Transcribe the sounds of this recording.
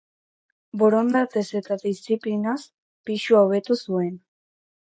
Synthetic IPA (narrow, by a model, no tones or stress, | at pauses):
boɾond̪at̪e̞se̞t̪aðist͡siplinas | piʃuawβ̞e̞t̪usue̞n